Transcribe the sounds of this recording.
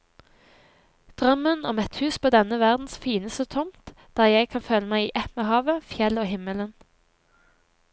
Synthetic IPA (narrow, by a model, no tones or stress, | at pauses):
d̪̥ʁœmənɔmɛt̪hʉːspʰoːd̪ɛnəʋæʁd̪n̩sfiːnəst̪ət̪ʰʊmt̪ | d̪̥æːʁjæɪkʰɑnfœləmæɪiːʔɛmeːhɑːʋəfjɛloːhɪmələn